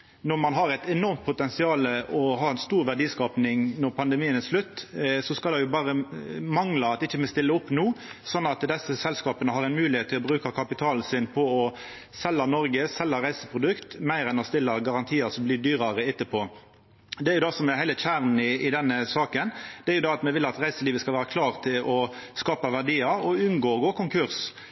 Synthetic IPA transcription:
nɔʁmɑnɦɑɾɛɪt̪ɛnɔʁmt̪̚pʰʊt̪ɛnsɪɑːləɔɦɑːɛnst̪uːɾʋæɖiːskɑːpnɪŋnɔʁpʰɑnd̪ɛmiːənɛʂlʉt̪ːsɔskɑlɛjʊbɑːʁəmɑŋlɑɑt̪ɪçːəmɛst̪ɪlːəʊpːnuːsɔnːɑt̪d̪ɛsəsɛlskɑːpənəɦɑɾɛnmʉːlɪheːt̪ʰːɪlɔbɾʉːkɑkʰɑpɪt̪ʰɑːlsɪnpʰɔɔ | sɛlːɑnɔɾɡəsɛlːɑʁæɪsəpʰɾʊd̪ʉkt̪mæɪɾɛnɔst̪ɪlːɑɡɑʁɑnt̪ʰiːəsɔmblɪːd̪yːʁɑʁəɪt̪ːəpʰɔ | d̪ɛæɾjʊd̪ɑsɔmɛæhæɪləc͡çæʁnɪɪd̪ɛnːəsɑːkənd̪ɛæɾjʊd̪ɑɑt̪mɛʋɪlːɑt̪ʁæɪsəliːʋəskɑlʋæːɾɑkʰlɑːʁt̪ʰɪlʔɔskɑːpɑʋæʁd̪iːɑɔʉnɡoːɡoːkʰʊŋkʰʉʁs

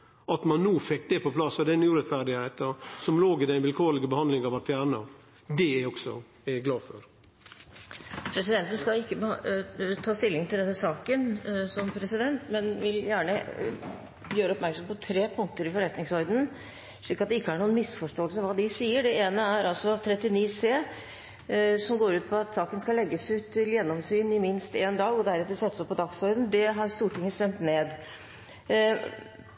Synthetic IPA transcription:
ɑt̪mɑnːuːfɛkːd̪ɛpʰɔpʰlɑsːɔd̪ɛnuːɾɛt̪fæɾd̪ɪheɪt̪əsɔmloːɡɪd̪ɛɪnʋɪlkʰoːɾlɪɡəbəhɑnd̪lɪŋɑʋɑɾt̪fjæːɾɳɑ | d̪ɛæɔksɔ̰ | æɡlɑːfɔ̰ɾ | pʰɾɛsɪd̪ɛnt̪ənskɑlɪkːəbət̪ʰɑːst̪ɪlːɪŋt̪ʰɪld̪ɛnːəsɑːkənsɔmpʰɾɛsɪd̪ɛnt̪mɛnʋɪljæːɳə | jøːɾəɔpmæɾksɔmpɔt̪ʰɾeːpʰʊŋk̚t̪əɾɪfɔɾɛt̪nɪŋsɔɾd̪n̩ | ʂɭiːkːɑt̪̚d̪ɛɪkːəæɳuːənmɪsfɔʂʈoːəlsəʋɑːd̪ɪsiːəɖɛeːnəæɾɑlsɔt̪ʰɾɛt̪ːɪniːseː | sɔmɡoːɾʉːt̪pʰɔɑt̪sɑːkənskɑlɛɡːəsʉːt̪ʰːɪljɛnːɔmsyːnɪmɪnst̪eːnd̪ɑːɡɔd̪æɾɑt̪ɛsɛt̪ːəsɔpːɔd̪ɑksɔɾd̪n̩d̪ɛɦɑɾst̪uːʈɪŋːəst̪ɛmt̪neːd̪

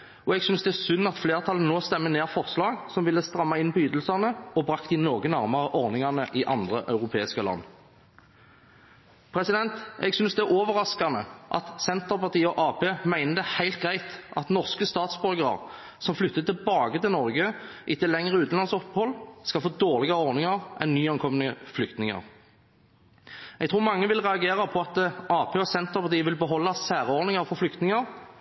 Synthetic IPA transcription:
ɔɛɡsʏnsd̪ɛæʁsʉnːɑt̪fleːʁt̪ʰɑlən̩ːoːst̪ɛmːəneːʁfɔʁslɑːɡsɔmʋɪlːəst̪ʁɑmːɑɪnpɔjyːd̪əl̩sɑnəɔbʁɑkt̪ɪnoːɡənæʁmɑʁəʔɔʁnɪŋɑnəʔɪʔɑnd̪ʁəʔɑ̰ʉʁʊpʰeːɪskəlɑ̰nː | pʰʁɛsɪd̪ɛnt̪ɛ̰ɡsʏnsd̪ɛæʁʔoːʋəʁɑskɑnəʔɑ̰t̪sɛnt̪əʁpɑʁt̪iːəɔʔɑːpʰeːmæɪnəd̪ɛhæɪlt̪̚ɡʁæɪt̪ɑ̰t̪nɔʁskəst̪ɑːt̪sbœlɡəʁə̰ʁ | sɔmflʏt̪ːət̪ɪlbɑːɡət̪ʰɪlnɔɾɡə | ʔɪt̪ːɪlɛŋʁəʉːt̪n̩ɑnsɔpːhɔlːskɑlfoːd̪oːʁlɪɡɑʁɔɾnɪŋɑʁʔɛnnːyːɑŋkʰɔmənəflʏkt̪nɪŋɑ̰ʁ | ʔɛɡt̪ʰʁuːʁmɑŋːəʋɪlʁɛɑɡeːʁɑpʰɔɑt̪ʔɑːpʰeːɔsɛnt̪əʁpʰɑʁt̪iːəʋɪlbəɦɔlːɑsæːʁəɔɾnɪŋɑʁfɔɾflʏkt̪nɪŋɑʁ

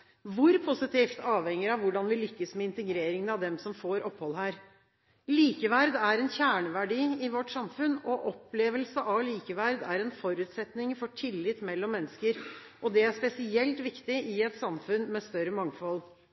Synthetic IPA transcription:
ʋʊɾpʰʊsɪt̪ɪft̪ɑːʋhɛŋəɾɑʋʋʊɖɑnʋɪlʏkːəsmɛɪnt̪əɡɾeːɾɪŋənɑʋd̪ɛmsɔmfoːɾʔɔphɔlɦæːɾ | liːkəʋæɾd̪æɾɛnçæːɳəʋæɖiːɪʋɔʈːsɑmfʉnːɔʔɔpːleːʋəlsəʔɑʋliːkəʋæɾd̪æɾɛnfɔɾʉːt̪sɛt̪nɪŋfɔʈʰɪlːɪt̪ːmɛlːɔmːɛnːəskəɾ | ʔɔd̪ɛæʂpɛsɪɛlt̪ʋɪkt̪ɪʔɪɛt̪sɑmfʉnmɛst̪œɾəmɑŋfɔl

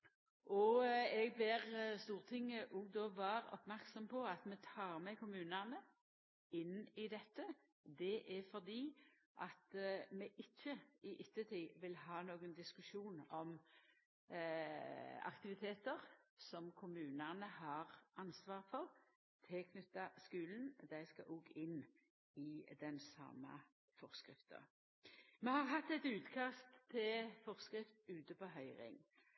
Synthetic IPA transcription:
ʔɔɛɡb̪eʁst̪uːʁət̪ʰɪŋːəʔuɡd̪oʋɑːʁɔ̰pmæʁksɔmpʰɔɑt̪mɛt̪ʰɑːʁmɛkʰʊmʉːnænə | ɪnɪd̪ɛt̪ːə | d̪ɛʔɛfɔd̪iː | ʔɑt̪mɛʔɪçːəɪʔɪt̪ːət̪ʰiːʋɪlɦɑːnoːɡənd̪ɪskʉʂuːnɔm | ɑ̰kt̪ɪʋɪt̪ʰeːt̪əʁsɔmkʰʊmʉːnənəhɑʁʔɑnsʋɑːʁfɔʁ | t̪ʰɪkʰnʏt̪ːɑskʉːln̩d̪æɪskɑ̰ʔuːɡɪn | ɪd̪ɛnsɑ̰mːə̰ | fɔʁskʁɪft̪ə̰ | mɛhɑʁɦɑt̪ːɛt̪ʉːt̪kʰɑst̪ʰːɪlfɔʁskɾɪft̪ʉːt̪əpoːɦœʏʁɪ̰ŋ

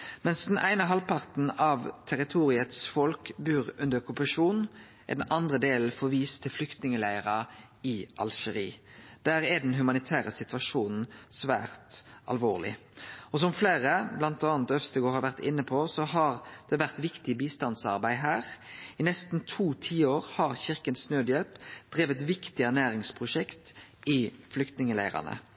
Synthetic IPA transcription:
mɛnsd̪ɛnʔæɪnəɦɑlpʰɑʁt̪n̩ɑʋt̪ʰæɾɪt̪ʰuːɾɪət̪sfɔlkbʉːʁʉnd̪əɾɔkʉpɑʂuːn | ʔɛ̰d̪ɛnʔɑnd̪ʁəd̪eːln̩fɔʋiːst̪ʰɪlflʏkt̪nɪŋəlæɪəʁɑ | ɪʔɑ̰lʃəʁḭː | d̪̥æːɾɛd̪ɛnɦʉmɑnɪt̪ʰæːʁəsɪt̪ʋɑʂuːnn̩sʋæ̰ːʁt̪ɑ̰lʋoːʁlɪ̰ | ɔsɔmfleːʁəblɑnt̪ɑːnt̪œfst̪əɡoːɾhɑɾʋæʁt̪ɪ̰nːəpʰɔsɔɦɑʁd̪̥ɛʋæʁt̪ʋɪkt̪ɪbiːst̪ɑnsɑ̰ʁbæɪɦæːʁɪnɛst̪n̩t̪ʰuːt̪ʰiːoːʁhɑʁçɪʁkənsnøːd̪jɛlpd̪̥ʁeːʋət̪ʋɪkt̪ɪænæːɾɪŋspʰʁʊʂɛkt̪ɪflʏkt̪nɪŋəlæ̰ɪʁɑ̰nə̰

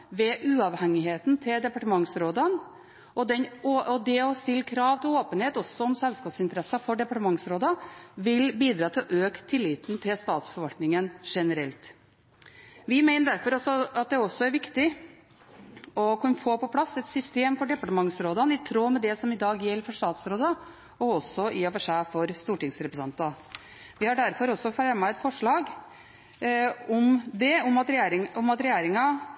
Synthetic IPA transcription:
ʋɛʔʉːɑʋhɛŋɪheːt̪n̩t̪ʰɪld̪ɛpɑʈəmɑŋsɾoːd̪ɑn | ʔɔd̪ɛnoɔd̪ɛɔst̪ɪlːkʰɾɑːʋt̪ʰɪloːpənheːt̪ɔsːɔɔmsɛlskɑːpsɪnt̪əɾɛsɑfɔɖɛpɑʈəmɑŋsɾoːd̪ɑʋɪlbiːd̪ɾɑːt̪ʰɪlɔʔøːkt̪ʰːɪlːiːt̪n̩t̪ʰɪlst̪ɑːt̪sfɔɾʋɑlt̪nɪŋənʂɛnəɾɛlt̪ | ʋɪmæɪnəɖ̪æɾfɔɾɔsɔɑt̪̚d̪ɛɔsːɔæɾʋɪkt̪ɪ | ɔkʰʊnfoːpɔpʰlɑsːɛt̪sʏst̪eːmfɔɖɛpɑʈəmɑŋsɾoːd̪ɑnɪt̪ʰɾoːmɛd̪ɛsɔmɪd̪ɑːɡjɛlːəɾfɔʂt̪ɑːt̪sɾoːd̪ə | ɔɔsɔɪɔʋəʂæfɔɾst̪uːʈɪŋsɾɛpɾəsɑnt̪ɑ | ʋɪhɑɖæɾfɔɾɔsːɔfæɾɑmɑɛt̪fɔʂɭɑːɡ | ɔmd̪ɛɔmɑt̪ɾɾɔmɑt̪ɾɛjeːɾɪŋɑ

